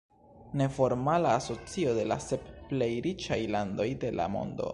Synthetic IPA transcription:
ne̞fo̞ɾmalaːso̞t͡sio̞de̞la̰se̞p̚ple̞jɾit͡ʃajlando̞jde̞la̰mo̞̰ndo̞̰

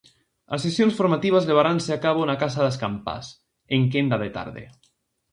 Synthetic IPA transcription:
asːesjonsfoɾmat̪iβ̞azleβ̞aɾanseakaβonakasaðeskampa̰s | eŋkend̪aðet̪a̰ɾðḛ

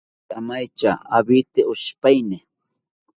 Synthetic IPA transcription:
amajt͡ʃaabɪt̪ɪʊʃpajnɪ

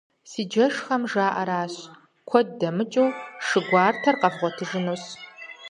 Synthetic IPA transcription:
siːd͡ʒɐʂχɐmʒaːʔɐɾaːɕ | kʷʰɔd̚dɐmɨt͡ʃʼɐwʂɨɡʷɑːrtʰɐrqɐvʁʷɔtʰɨʒɨnoːs

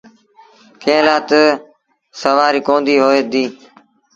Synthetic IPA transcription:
kʰẽːlaːt̪ | səʋaːɾiːkoːnd̪iːɦoːeːd̪iː

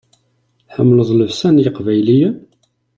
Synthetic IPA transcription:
ħəmːləðˤləvsænjəqvæjlijə

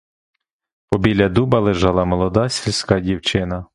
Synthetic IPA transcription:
pɔbʲilʲɐd̪ubɐlˠɪʒɑlˠɑmɔlˠɔd̪ɑsʲilʲsʲkɑdʲiwt͡ʃɪnɐ

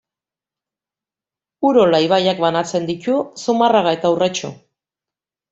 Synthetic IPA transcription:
uɾolajβ̞ajakbanat͡se̞nd̪icusumaraɣae̞t̪aurat͡ʃu

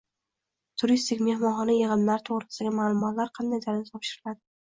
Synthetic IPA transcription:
t̪ʰʊɾist̪ɪkʲme̞hmɒnχɒnɪjɪʁɨmlaɾt̪ʰoʁɾɪsɪd̪aɡʲɪmaːlˠʊmɒt̪laɾqʰɑnd̪ajd̪aɾɪnɪt̪ʰɒpʃɪɾɪlad̪ɪ

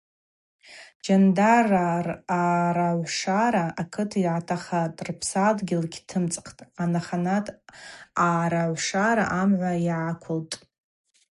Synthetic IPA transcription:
d͡ʒandaraaɾaʕʷʂaɾaakʰɨtʰiʕatʰaχatʼrpʰsadɡʲɪlkʲʰtʰɨmt͡sʼqʰtʼanaχanatʰʼaɾaʕʷʂaɾa̰ʔamʕʷaiʕakʷʰʊltʼ

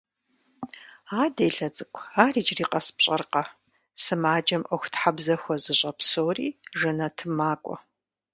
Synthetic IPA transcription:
aːdeːɬɐt͡sʼɨkʷʰʼaːriːt͡ʃriːqɐspɕʼɐrqɐ | sɨmaːd͡ʒɐmʔɐxʷtħabzɐxʷɔzɨɕʼɐpsoːriːʐɨnɐtʰɨmaːkʷʼɔ̰

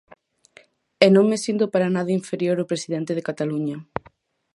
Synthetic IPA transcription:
enõŋmesint̪opaɾanaðɐiɱfeɾjoɾopɾesiðent̪eð̞ekat̪aluɲɐ

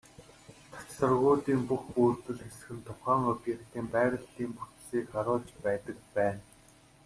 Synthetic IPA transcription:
t̪ʰḁt͡ɕsə̆rɣʊːt̪iːmpuxpuːrt̪ɵ̆ɮxesɘ̆xɘ̆nt̪ʰʊχaːŋɵpʲiːχt̪ʰiːmpæːɾə̆ɮiːmput̪siːkχaɾʊːɮt͡ɕpæːt̪ə̆k̚pæːn

